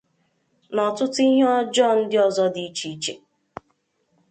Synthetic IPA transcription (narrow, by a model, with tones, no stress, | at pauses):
nɔ˨tʊ˦ti˦ɦe˦ɔ˦d͡ʒɔ˦˨n̩˦dɪ˦ɔ˦zɔ˦di˨i˦t͡ʃi˨˦t͡ʃe˨